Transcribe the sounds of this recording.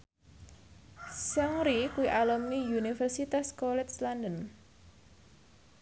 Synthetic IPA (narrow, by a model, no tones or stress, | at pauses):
saŋɾikuiʔalɔmnijunifɛrsit̪askɔlɛt͡ʃlandən